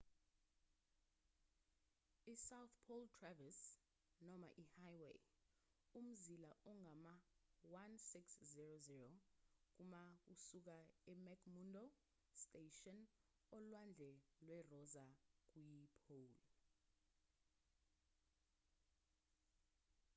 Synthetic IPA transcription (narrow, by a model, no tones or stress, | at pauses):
isawθpʰoltʰravas | nɔma̰ʔihajwḛ | um̩zilaʔɔŋʱamawansikszirozirɔk̬umak̬usuk̬aɛmɛkʰmundɔ | stʼeʃɔn | ɔlwand͡ɮʱɛlwɛrɔzak̬ujipʰol